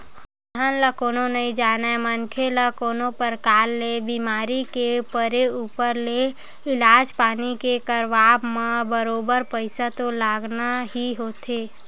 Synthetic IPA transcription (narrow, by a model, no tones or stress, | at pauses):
d̪ʱaːnlakoːnõnəĩd͡ʒaːnaemənkʰelakoːnõpəɾkaːlːebiːmaːɾikepəɾeuːpəɾle | ɪlaːd͡ʒpaːnikekəɾʋaːbmãbəɾoːbəɾpəɪsat̪olaːɡnaɦiɦoːt̪ʰeː